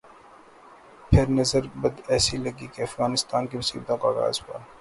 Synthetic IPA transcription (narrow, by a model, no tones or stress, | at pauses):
pʰɪɾnɐzəɾbəd̪ɛːsiləɡikeɐfɣaːnɪst̪aːnkimʊsḭːb̚t̪õkaɾa̰ːzpa̰ːɾ